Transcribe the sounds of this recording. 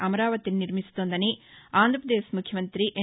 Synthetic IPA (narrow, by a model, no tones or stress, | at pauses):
ʔɐmɐɾaːʋɐt̪inniɾmisu̥t̪oːnd̪ɐniaːnd̪ʱɾɐpɐd̪eːsmukʰjɐmɐnt̪ɾiʔe